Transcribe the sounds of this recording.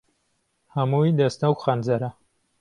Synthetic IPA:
hɐmuːjd̪ɐst̪ɐwkxanzɐɾɐ

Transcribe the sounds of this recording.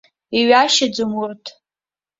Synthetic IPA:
iɥaʃad͡zɨmʊrtʰʼ

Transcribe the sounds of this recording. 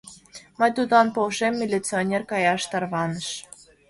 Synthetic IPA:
məjt̪ud̪ɑnpoʃemːilʲit͡sionʲerkɑjɑʃt̪ɑrβɑnəʃ

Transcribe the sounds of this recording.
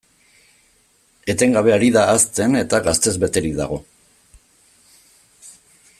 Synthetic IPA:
e̞t̪e̞ŋɡaβ̞e̞aɾiðaːst̪e̞ne̞t̪aɣast̪e̞zβe̞t̪e̞ɾikða̰ɣ̞o̞̰

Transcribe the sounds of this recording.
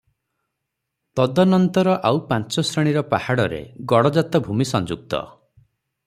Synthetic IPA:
t̪ɔd̪ɔnɔnt̪ɔɾɔʔawpant͡ʃɔsɾeɽ̃iɾɔpahaɽɔɾḛɡɔɽɔd͡ʒat̪ɔbʱumisɔnd͡ʒuk̚t̪ɔ̰

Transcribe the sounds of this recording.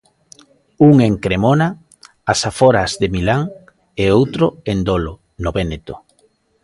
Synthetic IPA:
uŋeŋkɾemona | asafoɾazðemilaŋ | eowt̪ɾoend̪olo | noβenet̪o̥

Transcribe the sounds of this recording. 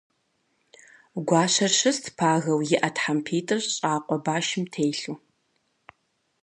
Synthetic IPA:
ɡʷɑːɕɐrʃɐstʰpʰaːɣɐwjɪʔɐtħampʰiːtʼɨrɕʼaːqʷʼɔbaːʃɪmtʰejɬuː

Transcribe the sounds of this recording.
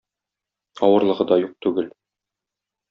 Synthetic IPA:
ɒwɤ̆ɾlˠɤ̆ʁɤd̪ɒjuq̚t̪ʉɡɘl

